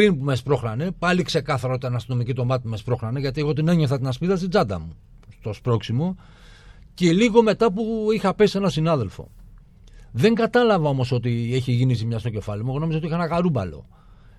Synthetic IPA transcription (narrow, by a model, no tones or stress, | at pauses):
pɾinpumespɾo̞xɾɐne̞pɐlikse̞kɐθɐɾot̪it̪ɐnɐst̪ino̞micit̪o̞mɐt̪ipumespɾo̞xɾɐneʝɐt̪ieɣo̞t̪ineɲoθɐt̪inɐspiðɐst̪id͡zɐd̪ɐ̰mu | st̪o̞spɾo̞ksimo̞ | ce̞liɣo̞me̞t̪ɐpuixɐpesie̞nɐsinɐðe̞lfo̞̰ | ðe̞ŋɡɐt̪ɐlɐvɐo̞mo̞so̞t̪ie̞çiʝinisimɲɐst̪o̞ce̞fɐlimueɣo̞no̞mizot̪ixɐenɐɣaɾubɐ̰lo̞̰